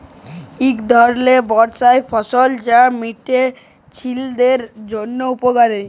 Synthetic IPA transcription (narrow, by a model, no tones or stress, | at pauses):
ikd̪ʱɔɾlebɔɾt͡ɕaefɔsold͡ʑamiʈe | t͡ɕʰild̪eɾd͡ʑonːoupoɡaɾe